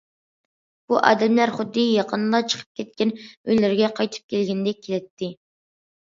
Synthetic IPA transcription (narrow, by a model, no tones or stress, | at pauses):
b̥uʔɑ̰ːd̪ɛmlæɾχʊd̪ːɪjɑqʰənlˠɑt͡ʃʰə̥qʰə̥p̚kʲʰɛt̪̚kʲɛnøjlɪɾɡʲɛqʰɑjt̪ʰɨ̥p̚kʲelɡʲɛnɪd̪ɛkʲʰelɪt̪ʰːɪ